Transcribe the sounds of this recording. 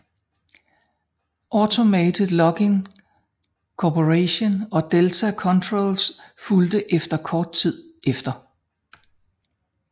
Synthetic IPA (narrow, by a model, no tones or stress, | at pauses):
ʔɒt͡sʰo̝mɛdʰilɒ̽ɡ̥eŋ | kʰɒpʰoʁeɕo̝nɒ̽d̥elt͡sʰækʰɒ̽nt͡sʰʁoːlsfuld̥əʔefd̥ɐkʰɒːd̥̚t͡sʰið̞̰ˠʔefd̥ɐ